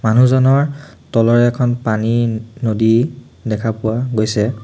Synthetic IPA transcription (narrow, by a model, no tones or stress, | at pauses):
manuzɔnɔɹ | tɔlɔɹɛːkʰɔnpaninodi | dɛkʰapʊwaɡojsɛ